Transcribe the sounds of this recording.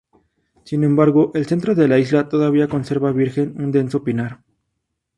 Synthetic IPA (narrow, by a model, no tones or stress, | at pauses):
sinẽ̞mbaɾɣo̞ʔe̞lse̞nt̪ɾo̞ðe̞laizlat̪o̞ðaβ̞iako̞nse̞ɾβaβiɾxe̞nund̪e̞nso̞pinaɾ